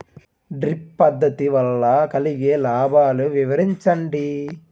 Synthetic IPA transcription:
ɖɾipːɐd̪ːɐt̪iʋɐlːɐkɐliɡeːlaːbʱaːluʋiʋɐɾiɲt͡ʃɐɳɖi

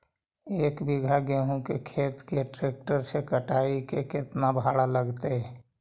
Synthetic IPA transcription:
eːkbɪɡʱaɡeɦũkekʰeːt̪keʈɾeːk̚ʈəɾsekəʈaikekɪt̪nabʱaːɽaləɡt̪eɛ

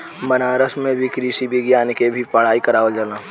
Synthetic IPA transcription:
mɐnaːɾəsmẽbʱikɾiːsibʱɪɡjaːnkebʱipɐɽ̤aːikɐɾaːʋəld͡ʒanaː

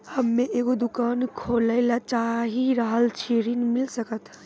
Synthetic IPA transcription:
həmːẽʔeːɡod̪ʊkaːnkʰoːləɪlat͡ʃaːɦiɾaɦəlt͡ʃʰiɾinmɪlsəkət̪ʰ

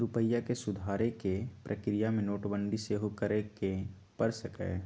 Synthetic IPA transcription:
ɾʊpəjakesʊd̪ʱaːɾekepɾʔəkɾijamẽnoːʈbə̃nɖ̪ʱiseɦokəɾeke | pəɾsəkɛ̰ː

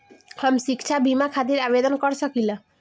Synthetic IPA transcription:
hamʃikt͡ɕʰabimakʰad̪iɾabed̪onkɔɾt͡ɕʰɔkila

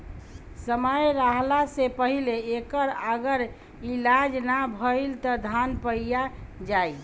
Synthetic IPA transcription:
səməjɾaɦlasepəɦileekəɾəɡəɾ | ilad͡ʒnabʱəɪlt̪ɔd̪ʱanpəijad͡ʒaj

